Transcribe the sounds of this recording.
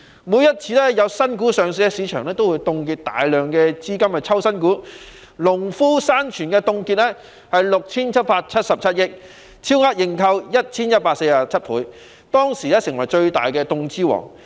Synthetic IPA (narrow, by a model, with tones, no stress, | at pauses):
muː˨˧jɐ˥t̚t͡sʰiː˧lɛ˥jɐ˨˧wsɐ˥nkuː˨˥sœː˨ŋs̬iː˨˥ɛ˧siː˨˧˥t͡ʃʰœː˨˩ŋlɛː˥t̪o˥wu˨˧jt̪ʊ˧ŋkiː˧t̚t̪a̰ː˨jlœː˨ŋkɛː˧t͡siː˥kɐ˥mhɐ˨˩t͡sʰɐ˥wsɐ˥nkuː˨˥ | lʊ˨˩ŋfuː˥saː˥nt͡ʃʰyː˨˩nkɛː˧t̪ʊ˧ŋki˧t̚lɛ˥ | hɐ˨jlʊ˨k̚t͡sʰiː˥nt͡sʰɐ˥t̚paː˧k̚t͡sʰɐ˥t̚sɐ˨p̚t͡sʰɐ˥t̚jɪ˥k̚ʰ | iː˥wŋaː˥t̚jɪ˨˩ŋkʰɐ˧wjɐ˥t̚t͡sʰiː˥njɐ˥t̚paː˧k̚se˧jaː˨t͡sʰɐ˥t̚pʰṵː˨˥j | t̪ɔː˥ŋsiː˨˩lɛː˥sɪ˨˩ŋwɐ˨˩jt͡ʃɵ˧ɥt̪a̰ː˨jkɛː˧t̪ʊ˧ŋt͡siː˥wɔ̰ː˨˩ŋ